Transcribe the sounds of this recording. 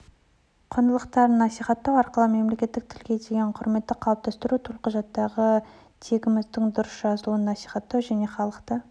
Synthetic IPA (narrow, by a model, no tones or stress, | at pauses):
qʰonəlˠəqt̪ɑɾənɑsijχɑt̪ːɑwɑɾqəlˠəme̞mle̞kʲe̞t̪ːɪk̚t̪ʰɪlɡʲe̞d̪eɡʲeɴqʰʊɾme̞t̪ːɪqʰɑlˠəp̚t̪ɑst̪əɾut̪ʰʊlˠqəʒɑt̪ːɑʁə | t̪ʰe̞ɡʲɪmɪzd̪ɪŋd̪ʊɾəsʒɑzəlˠuənːɑsi̥jχɑt̪ːɑwʒæne̞χɑlˠəqt̪ə